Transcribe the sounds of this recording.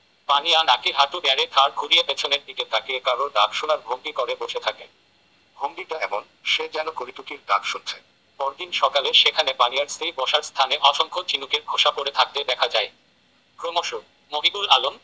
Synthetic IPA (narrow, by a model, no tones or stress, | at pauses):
panianakiɦat̪ubɛɾet̪ʰaɾɡʱuɾiepet͡ɕʰoneɾd̪iket̪akekaɾod̪akʃonaɾbʱoŋd̪ikɔɾeboʃet̪ʰake | bʱond̪iʈaɛbon | ʃed͡ʑɛnokoɾit̪ukiɾd̪akʃont͡ɕʰe | pɔɾd̪inʃɔkaleʃekʰanepanijaɾst̪ʰejbɔʃaɾst̪ʰaneʔɔʃoŋkʰot͡ɕinukeɾɡʰʱoʃapoɾet̪ʰak̚t̪ed̪ɛkʰad͡ʑae | kɾomoʃo | moɡiɡulalom